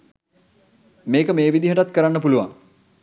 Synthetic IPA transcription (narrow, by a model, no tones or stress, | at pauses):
meːkəmeːʋid̪iɦəʈat̪kəɾanːəpuluʋa̰ŋ